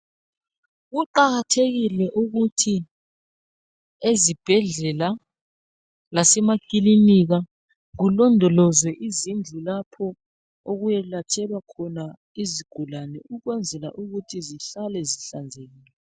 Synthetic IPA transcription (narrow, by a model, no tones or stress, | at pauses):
ɣuǃaɣatʰeɣilɛʔuɣutʰi | ezib̥ʱɛɮɛla | lasɛmakʼiliniɣa | ɣulɔndʱɔlɔzwɛʔizind͡ɮʱulapʰɔ | oɣujɛlatʰɛlwakʰɔna | iziɡ̥ʱulanɛʔuɣwɛnd͡zʱɛla̰ʔuɣutʰiziɬalɛziɬand͡zʱeɣiːlɛ